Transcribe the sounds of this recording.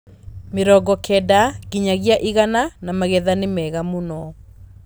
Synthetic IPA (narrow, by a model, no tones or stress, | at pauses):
meɾɔɡɔkʰɛdaɣiɲaɣiaʔiɣananamaɣɛðanemɛɣamonɔ